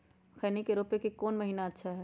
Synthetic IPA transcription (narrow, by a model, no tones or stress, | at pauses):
xɛːnikeɾoːpekikɔːnmɐɦiːnaɐtːʃʰaɦɛː